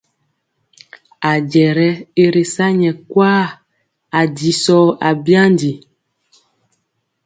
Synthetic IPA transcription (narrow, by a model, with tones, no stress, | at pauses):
a˨d͡ʒɛ˨ɾɛ˦e˦ɾe˨sa˦ɲɛ˨kwaː˦ | a˨di˨sɔː˦a˨bja˦ndi˨